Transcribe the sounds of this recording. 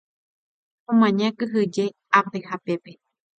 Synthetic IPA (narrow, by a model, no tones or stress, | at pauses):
omãɲãkɨɦɨd͡ʒe | at̪ehapepe